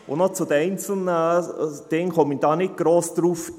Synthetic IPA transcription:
ʊnɔt͡sʊd̥̪əɛɪnt͡sl̩nəd̥ɪŋkʰɔmind̥ɑːnɪt̚ɡ̥ɾoːsd̪̥ɾuːf

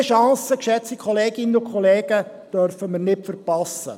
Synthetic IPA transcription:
əʃɑ̃ːsəkʃɛt͡sikʰɔleːɡɪnəʊkʰχɔleːɡ̥ə | d̥œɾfəməɾnɪpfəɾpɑsːə̰

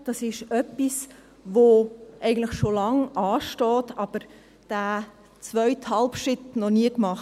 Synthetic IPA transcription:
d̥ɑsɪʃœpis | ʋoʔɛɪɡən̩tləχʃolɑŋʔɑːʃtɔːtɑb̥əɾ | d̥æː | t͡svœʏthɑlpʃɪtnɔniəkmɑχ

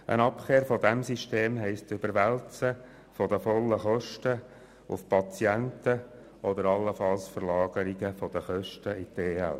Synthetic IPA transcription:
ʔə̰nɑpχeːɾfɔd̪ɛmsiʃteːmɦɛɪstʏb̥əɾʋælt͡sə | fɔd̪əfɔlːəχɔʃtə | ʊ̰fpʰɑt͡sjænt̪ə | ɔd̪əɾɑlːəfɑlsfəɾlɑːɡ̥əɾiɡəfɔd̪əχœʃtəɪtʰeːɛ̰l

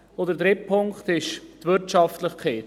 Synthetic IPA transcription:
od̪əɾd̪ɾɪpʰʊŋkt̪ɪʃt̪vʏɾtɑftləχkʰeːt

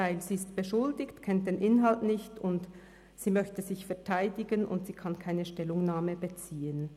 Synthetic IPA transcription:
aɪlz̥iːɪstb̥əʃʊldɪçtkʰɛnt̚d̥eːnʔɪnɦaltnɪçtʊnt | z̥iːmœçtəzɪçfɛɐtʰaɪdɪɡənʔʊ̰ntz̥iːkʰankʰaɪnəʃtɛlʊŋnaːməbət͡siːən

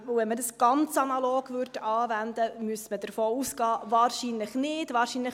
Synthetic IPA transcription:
ʊwvɛnmədəsɡ̥ɑnt͡sɑnɑloːɡvʏrtʰɑːvænd̪əmyəsmədəɾfoːuːsɡ̥ɑːvɑːɾʃinləχnɪːdʋɑːɾʃiːnləχ

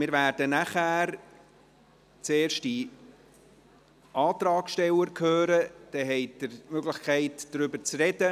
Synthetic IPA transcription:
mɪːɾvæːɾd̥ənæχæːɾ | t͡seːrʃti | ʔɑːt̪rɑːkʃtɛləɾkʰhøːɾəd̪̥ɛɦɛɪd̥əɾmøɡlɪχkʰɛɪtdɾʏbəɾt͡srɛdə

